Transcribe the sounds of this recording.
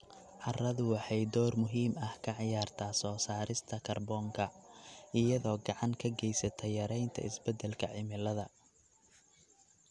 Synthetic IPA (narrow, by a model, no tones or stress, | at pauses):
ʕɑrɐðʊwɑħɑjd̪ɔːrmʊɦiːmɐhkʰɐʕɪjaːrt̪ʰaːsɔːsaːɾɪst̪ʰɐkʰɐrbɔːŋkʰɐʔɪjɐðɔːɡɑʕɑŋkʰɐɡɛjsɐt̪ʰɛjɐɾɛjnt̪ʰɐ̰ɪsbɛd̪ɛlkʰɐʕɪmɪlɐðɐ